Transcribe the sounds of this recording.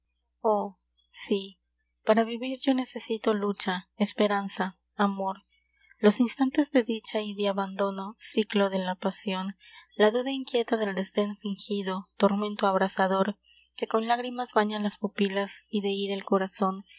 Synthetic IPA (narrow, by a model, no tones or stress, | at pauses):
o | si | paɾaβiβiɾʝo̞ne̞se̞sit̪o̞lut͡ʃaespe̞ɾansaː | mo̞ɾ | lo̞sinst̪ant̪e̞zðe̞ðit͡ʃaiðeaβand̪o̞no̞siklo̞ðe̞lapasjo̞nlaðuðaiŋkje̞t̪aðe̞ld̪e̞zd̪e̞nfiŋxiðo̞t̪o̞ɾmẽ̞nt̪oaβɾasaðo̞ɾ | ke̞ko̞nlaɣɾimazβaɲalaspupilasiðe̞iɾelko̞ɾason